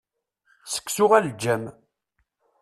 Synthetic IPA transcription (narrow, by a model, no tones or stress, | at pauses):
sə̥kːsʊʁæld͡ʒːæm